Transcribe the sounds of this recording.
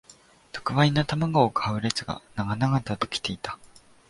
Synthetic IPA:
t̪o̥kɯ̟βainat̪amaɡookʰaɯ̟ɾe̞t͡sɨɡa̰naɡanaɡat̪at̪okʲi̥t̪e̞it̪ḁ

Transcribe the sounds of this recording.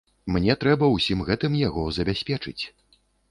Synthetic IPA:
mnʲɛt̪ɾɛbɐwsʲimɣɛt̪ɨmjaɣɔzɐbʲasʲpʲɛt͡ʂɨ̰t͡sʲ

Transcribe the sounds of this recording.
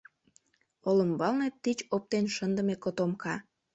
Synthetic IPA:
olə̆mbɑlnet̪ːit͡ɕop̚t̪enʃənd̪əmekot̪omkɑ

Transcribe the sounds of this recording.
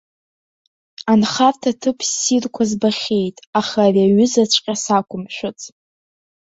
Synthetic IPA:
anχartʰatʰɨpʰsirkʷʰazbaχʲe̞jtʼaχaːraɥʏzat͡ɕʷʼqʲʼasakʷʰʼʊmʃʷᶣʊt͡sʼ

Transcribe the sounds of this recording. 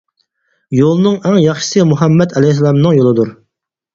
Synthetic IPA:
jolˠnɨŋɛŋjɑχʃɨ̥sɨmuɦɛmːɛt̪ɛlɛhs̬lˠɑmnɨŋjolˠɨd̪uɾ

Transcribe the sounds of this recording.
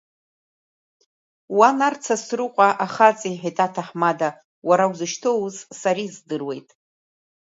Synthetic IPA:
wanart͡sʰasrɨqʷʼaʔaχat͡sʼiħitʼatʰaħmada | waɾawzɨʃtʰowzsaɾizdɨrwe̞jtʼ

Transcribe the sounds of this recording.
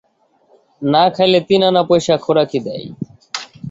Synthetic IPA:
nakʰajlet̪inanapojʃakʰoɾakʰid̪ɛ̰j

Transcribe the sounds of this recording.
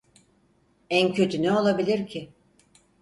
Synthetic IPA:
æncʰø̞t̪ʰynɛo̞lˠabilʲiɾcʰɪ

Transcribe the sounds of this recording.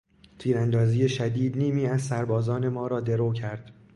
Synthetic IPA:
t̪ʰiːɾænd̪ɒːziːje̞ʃæd̪iːd̪niːmiːæzsæɾbɒːzɒːne̞mɒːɾɒːd̪e̞ɾoːcʰæɾd̪̥

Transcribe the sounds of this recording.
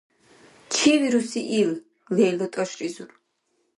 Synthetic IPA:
t͡ʃʰiviɾusiʔil | vɛːlɔt̪ʼɔʃrizuɾ

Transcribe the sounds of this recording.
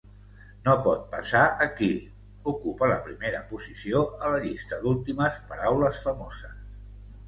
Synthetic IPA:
nopɔt̪̚pəsaəki | ukupələpɾimeɾəpuzisioələʎist̪əðulˠt̪iməspəɾawləsfəmozəs

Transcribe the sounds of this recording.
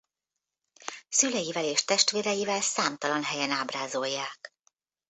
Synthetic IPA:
sylɛjivɛleːʃt̪ɛʃt̪ʋeːɾɛjivɛlsaːmt̪ɒlɒnɦɛjɛnaːbraːzo̞jːaːk

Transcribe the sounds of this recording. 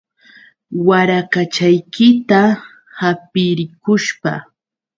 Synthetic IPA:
waɾakat͡ʃajkɪt̪a | hapɪɾɪkʊʃpa̰

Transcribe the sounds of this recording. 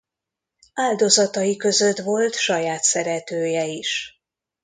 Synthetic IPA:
aːld̪o̞zɒt̪ɒjikø̞zøt̪vo̞lt̪ʃɒjaːt̪sɛɾɛt̪øːjɛiʃ

